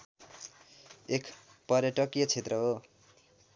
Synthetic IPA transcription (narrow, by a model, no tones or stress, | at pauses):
ek | pʌrjʌʈʌkjʌt͡sʰet̪rʌɦo